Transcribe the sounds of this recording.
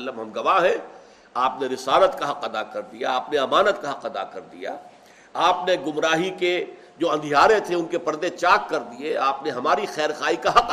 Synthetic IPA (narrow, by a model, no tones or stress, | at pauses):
lːəmɦɐmɡɐʋaɦɛ̃ | aːpneɾɪsaːɾət̪kaɦɐqɐd̪akɐɾd̪ijaaːpneɐmaːnət̪̚kaɦɐqɐd̪a̰kɐɾd̪ḭja̰ː | aːpneɡʊmɾaːɦike | d͡ʒoːɐ̃nd̪ʱijaːɾẽt̪ʰeʊnkepɐɾd̪ẽt͡ʃaːkːɐɾd̪ieaːpneɦɐmaːɾixɛːɾxaːikaɦɐq